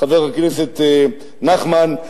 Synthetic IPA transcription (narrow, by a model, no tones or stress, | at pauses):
aveʁhakneset̪ | naχman